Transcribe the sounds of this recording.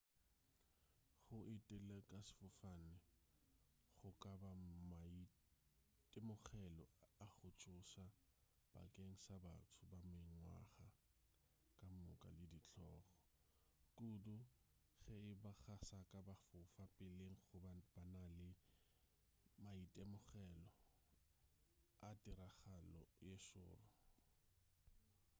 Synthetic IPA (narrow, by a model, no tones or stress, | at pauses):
χʊʔɪtʼɪlakʼasɪ̥fʊfanɪ | χʊkʼabama | tʼɪmʊχɛlɔaχʊt͡ʃʼʊsa | b̥a̰kʼeŋ̩saba̰tʰʊbameŋŋwa̰χa | kʼamʊkʼa̰lɪdit͡ɬʰɔːχɔ | kʼudʊ | ɣɛɪbaɣasakʼabafʊfapʼɪleŋ̩χʊbanalɪ | maitʼɛmʊɣɛlɔ | atʼɪɾaχalɔ̰jeʃʊ̰ːrʊ